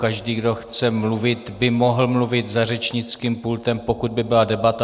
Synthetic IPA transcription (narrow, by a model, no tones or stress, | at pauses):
kaʒdiːɡdo̞xt͡sɛmluvɪt̪bɪmo̞ɦl̩mluvɪt̪zarɛt͡ʃɲɪt͡skiːmpult̪ɛmpo̞kud̪̚bɪbɪladɛbat̪a